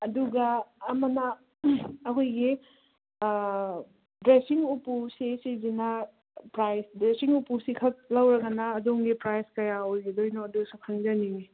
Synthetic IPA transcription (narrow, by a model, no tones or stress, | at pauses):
ɐduɡɐːmɐnɐ | ɐkʰojɡi | dɾesiŋupusesizinɐ | pɾajsdɾesiŋupusikʰɐk̚lɐwɾɐɡɐnɐːdoŋɡipɾajskɐjaojɡidojnoɐdusakʰaŋzɐniŋi